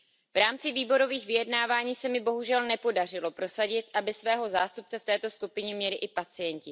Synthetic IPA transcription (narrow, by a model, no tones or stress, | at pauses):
vɾaːmt͡sɪviːbo̞ɾo̞viːxvɪjɛdnaːvaːɲiːsɛmɪbo̞ɦuʒɛlnɛpo̞dar̝ɪlo̞pɾo̞saɟɪt̪ʔabɪsvɛːɦo̞zaːst̪up̚t͡sɛft̪ɛːt̪o̞skupɪɲɛmɲɛlɪʔɪpat͡sɪjɛɲcɪ